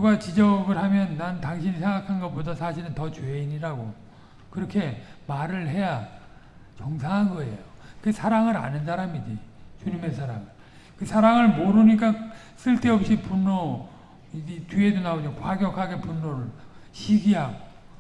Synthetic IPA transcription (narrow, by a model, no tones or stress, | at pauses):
kɯɡat͡ɕid͡ʑʌɡɯɾɦamjʌnːantaŋɕʰinisʰe̞ŋɡakʰanɡʌp͈odasʰaɕʰiɾɯntʌt͡ɕweiɲiɾaɡo | kɯɾʌkʰe̞maɾɯɭɦe̞ja | t͡ɕʌŋsʰaŋɦanɡʌe̞̰jokɯsʰaɾaŋɯɾa̰nɯns̬ʰaɾamid͡ʑit͡ɕuɲime̞sʰaɾaŋɯ | kɯsʰaɾaŋɯɭmoɾuɲik̬͈a | sʰɯɭt͈e̞ʌp̚ɕ͈ipunːo | iitie̞donaod͡ʑokwaɡjʌkʰaɡe̞punːoɾɯɭɕʰiɡiɦaɡo